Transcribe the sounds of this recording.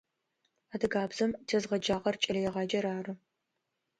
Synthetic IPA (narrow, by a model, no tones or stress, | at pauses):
adɨɡaːbzɐmtʰɐzʁɐd͡ʒaːʁɐrt͡ʃʼɐlɐjɛʁɑːd͡ʒɐɾaːrɨ